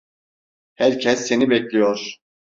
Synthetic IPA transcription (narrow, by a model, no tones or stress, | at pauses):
hæɾcʰɛsːe̞nibɛclʲijoɾ̥